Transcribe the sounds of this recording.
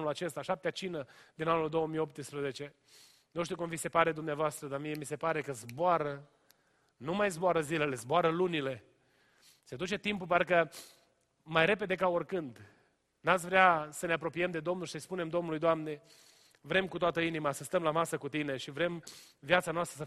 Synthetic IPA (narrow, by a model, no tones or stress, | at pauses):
nulat͡ʃe̞st̪aʃap̚t̪eat͡ʃinəd̪inanuld̪o̞wəmijop̚t̪ɨspɾəze̞t͡ʃe̞ | nuʃt̪iukumvise̞paɾe̞d̪umneavoast̪ɾəd̪amie̞mise̞paɾe̞kəzboaɾə | numajzboaɾəzile̞le̞zboaɾəlunile̞ | se̞d̪ut͡ʃe̞t̪impupaɾkə | majɾe̞pe̞d̪e̞kaorkɨnd̪ | nat̪s̬ʲvɾeasəne̞apɾo̞piemd̪e̞d̪o̞mnulʃisəjspune̞md̪o̞mnulujd̪oamne̞ | vɾe̞mkut̪oat̪əinimasəst̪əmlamasəkut̪ine̞ʃivɾe̞mviat̪sanoast̪ɾəs